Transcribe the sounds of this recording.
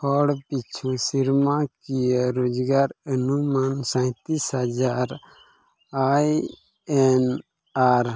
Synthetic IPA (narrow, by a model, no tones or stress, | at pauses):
pʰɔːɽpit͡ʃʰũsiɾmãkijəɾoːd͡ʒɡaːɾənumaːnsə̃t̪isɦəd͡ʒaːɾ | aj | ɛn | aɾ